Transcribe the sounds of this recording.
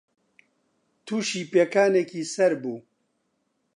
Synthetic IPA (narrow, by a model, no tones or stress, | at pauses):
t̪ʰuːʃiːpekaːnekiːsɐɾbuː